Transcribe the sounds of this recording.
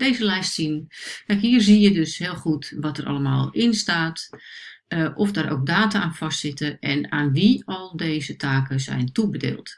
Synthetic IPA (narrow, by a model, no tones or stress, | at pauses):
d̥eːzəlɛjstsinkɛjkhiːrzijədøshɪːlˠxutʋɔtərʔɑ̰ləmaːlˠɪnstaːt | ʔɔfdaːɾo̰ːk̚daːtaaːnfastsɪtəɛnaːnʋiɔlˠdeːzətʰaːkəzɛ̰jntubədḛːlˠt